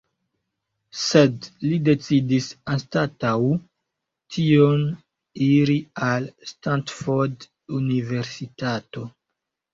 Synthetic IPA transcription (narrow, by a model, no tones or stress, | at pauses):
sedlide̞t͡sidisanstataw | tʰio̞n | iɾialstantfoɾd | unive̞ɾsitato̞